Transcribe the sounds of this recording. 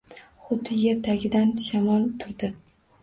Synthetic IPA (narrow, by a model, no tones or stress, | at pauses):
χʊd̪ɪje̞ɾt̪ʰaɡʲɪd̪anʃamɒlˠt̪ʰʊɾd̪ɪ